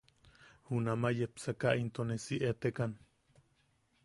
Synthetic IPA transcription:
hunamajepsakaʔint̪onesiʔet̪ekan

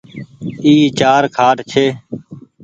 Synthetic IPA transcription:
iːt͡ʃaːɾkʰaːʈt͡ʃʰeː

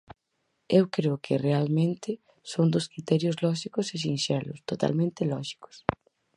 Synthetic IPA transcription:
ewkɾeʊkʰɪrealmẽnt̪ɪ | sond̪ʊskɾit̪ɛɾjʊzlɔʃikʊses̬inʃɛlʊst̪ot̪a̰lmẽnt̪ɪlɔʃi̥kʊ̥s

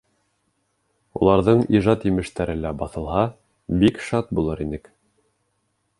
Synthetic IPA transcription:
ṵlˠɑɾðɤɴiʒɑt̪jɘ̆mɘ̆ʃt̪æɾɘlæbɑθɤ̆lˠɦɑ | bikʃɑt̪̚bulˠɤɾinɘk

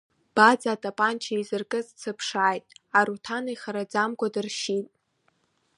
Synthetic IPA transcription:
b̥ad͡zaːtʼapʼant͡ʃʰaizɨrkʼɨzt͡sʰɨpʰʂaːjtʼaɾutʰaneχaɾad͡zamɡʷʼadɨrʃitʼ

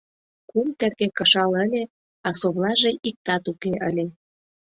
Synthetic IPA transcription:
kumt̪erkekə̆ʃɑləlʲe | ɑsoβlɑʒeʔik̚t̪ɑt̪ukeʔəlʲe

